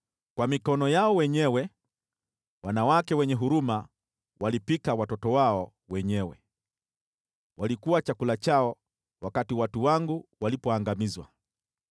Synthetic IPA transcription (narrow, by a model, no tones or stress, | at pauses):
kwamikɔnɔjaɔwɛɲɛwɛ | wanawakɛwɛɲɛɦuɾuma | walipikawatɔtɔwaɔ | wɛɲɛwɛ̰ | walikuwat͡ʃakulat͡ʃaɔ | wakatiwatuwaŋɡuwalipɔaŋɡamizwa̰